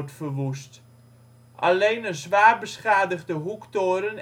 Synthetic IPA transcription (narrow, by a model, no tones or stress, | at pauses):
tfərʋust | ʔa̰lejnəzʋaːrbəsχaːdəɣdəɦuktoːɾən